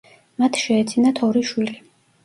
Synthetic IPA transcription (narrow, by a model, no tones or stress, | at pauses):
mat̪ʰʃɛːt̪sʰinat̪ʰɔɾiʃwili